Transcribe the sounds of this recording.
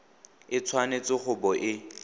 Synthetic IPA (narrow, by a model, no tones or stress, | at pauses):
ɪt͡sʰwanet͡sɪχʊbɔʔɪ